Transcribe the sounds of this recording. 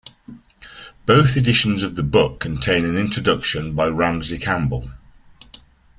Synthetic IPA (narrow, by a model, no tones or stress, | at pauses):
b̥əʊθɪdɪʃə̃nzəvðəbʊkʰə̃ntʰẽɪ̃nə̃nɪ̃nt͡ʃɹ̥ədʌkʃə̃nbaɪɹãmzlɪkʰãmbəlˠ